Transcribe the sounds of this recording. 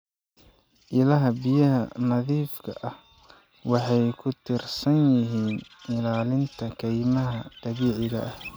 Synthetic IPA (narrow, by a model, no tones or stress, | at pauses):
ʔɪlɐɦɐbɪjɐɦɐnɐðiːfkʰɐʔɐh | wɑħɑjkʰʊt̪ʰɪrsɐnjɪɦiːnɪlaːlɪnt̪ʰɐkʰɛjmɐɦɐt̪ɑβiːʕɪɣɐʔɐh